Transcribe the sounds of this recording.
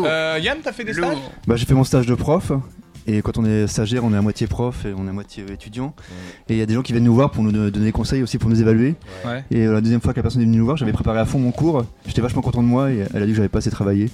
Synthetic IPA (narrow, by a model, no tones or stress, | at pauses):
øjant̪afɛd̪ebaʒefɛmɔ̃st̪aʒd̪əpχɔfekɑ̃t̪ɔ̃nɛst̪aʒɛʁɔ̃nɛamwat̪jepχɔfeɔ̃nɛmwat̪jeøet̪yd̪jɑ̃eljad̪eʒɑ̃kʲivjɛnːuvwaʁpuʁnud̪d̪ɔnelekɔ̃sɛjosipuʁnuzevalɥewɛeølad̪øzjɛmfwakəlapɛʁsɔnɛvənynuvwaʁʒavɛpχepaʁeafɔ̃mɔ̃kuːʁ | ʒet̪ɛvaʃmɑ̃kɔ̃t̪ɑ̃d̪əmwaeɛ̰lad̪ikəʒavɛpaːseət̪ʰχavaje